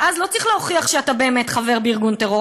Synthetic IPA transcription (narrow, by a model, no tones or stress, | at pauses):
ʔazlo̞t͡siχleoχiaχʃeatabe̞ːme̞tχave̞ʁbeiʁɡunteʁo̞